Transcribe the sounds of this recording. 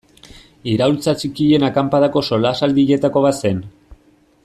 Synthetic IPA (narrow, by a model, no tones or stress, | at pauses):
iɾawlt͡sat͡sikiʎe̞nakampaðako̞so̞lasald̪iʎe̞t̪ako̞β̞at̪se̞n